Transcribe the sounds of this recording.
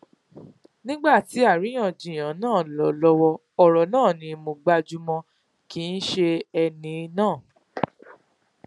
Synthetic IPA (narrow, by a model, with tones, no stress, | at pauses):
nĩ˦ɡ͡ba˦˨ti˨˦a˦˨ɾi˨˦j̃ã˦˨d͡ʒĩ˨j̃ã˨˦nãː˦˨lɔ˨˦lɔ˧˦wɔ˧ | ɔ˨ɾɔ˨nãː˦˨nĩ˧mũ˧ɡ͡ba˧d͡ʒu˦mɔ̃˧ | ki˦n̩˦ʃe˧ɛ˧nĩ˧nãː˦˨